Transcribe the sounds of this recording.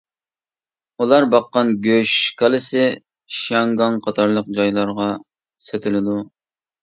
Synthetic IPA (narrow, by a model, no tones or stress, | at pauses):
ulˠɑɾbɑqːɑnɡʲøʃkʰɑlˠɪsɪ | ʃɑŋɡɑŋqʰɑt̪ʰɑɾlˠəq̚d͡ʒɑjlˠɑɾʁɑ | set̪ʰɪlɪd̪u